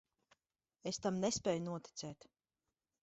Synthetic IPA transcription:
est̪amnespʲɛːjunuɔt̪i̥t̪sɛːt̪

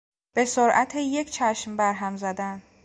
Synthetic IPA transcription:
b̥e̞soɾʔæt̪ʰejecʰt͡ʃʰæʃmbæɾɦæmzæd̪æn

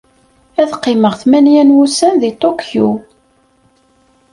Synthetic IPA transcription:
æðqːɪməʁθmænjænwusænðit̪ˤokju

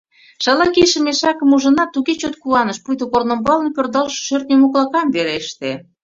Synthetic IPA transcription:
ʃɑlɑkiʃə̆meʃɑkə̆muʒə̆nɑt̪ːuɣet͡ɕot̪̚kuɑnəʃpujt̪okornŏmbɑlə̆npʲørd̪ɑlʃɤ̥ʃørt̪̚nʲemoklˠɑkɑmbeɾeʃt̪e

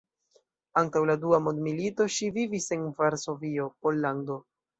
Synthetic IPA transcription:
aŋtawladuamodmilito̞ʃivivise̞nvaɾso̞vio̞po̞lːando̞

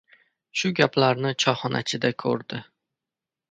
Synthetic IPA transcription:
ʃʊɡʲaplaɾnɪt͡ʃʰɒχɒnʔa̰t͡ʃʰɪd̪akʲʰɵ̰ɾd̪ɪ

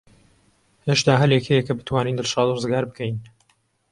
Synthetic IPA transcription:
heʃd̪aːɦɐljekʰejekɐbɨt̪ʰwaːniːnd̪ɨlʃɑːd̪rɨzɡaːɾbɨkʰɛjn

